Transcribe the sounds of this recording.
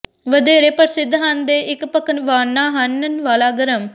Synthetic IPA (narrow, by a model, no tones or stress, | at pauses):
ʋəd̪eːɾeːpəɾsɪd̪ʱɦənd̪eːʔɪkpəkənʋaːnːaːɦənnʋaːlaːɡəɾəm